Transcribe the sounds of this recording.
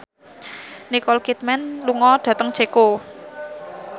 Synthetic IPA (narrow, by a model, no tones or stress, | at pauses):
nikɔlkit̪̚mɛnluŋɔɖ̪̥ä̤t̪əŋ̥t͡ʃeko